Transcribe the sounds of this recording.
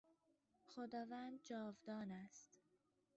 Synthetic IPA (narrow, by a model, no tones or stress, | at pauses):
xod̪ɒːvæːnd̪̚d͡ʒɒːvd̪ɒːnæst̪